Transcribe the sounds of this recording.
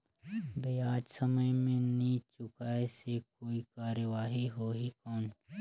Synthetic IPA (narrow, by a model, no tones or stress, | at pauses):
bejaːd͡ʒsəməjmẽniːt͡ʃʊkaːesekoːikaːɾəʋaːɦiɦoːɦikɔːn